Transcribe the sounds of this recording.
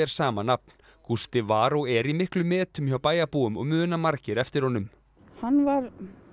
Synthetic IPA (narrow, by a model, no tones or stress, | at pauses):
ɛɾ̥saːmanap̚n̥ | kʰust̪ɪvaːɾɔɛɾimɪhklʏmːɛːt̪ʏmçawpaːjapuːʏmɔ̰ɣmʏːnamaɾcɪɾɛft̪ɪɾ̥hɔnʏm | hanvaɾ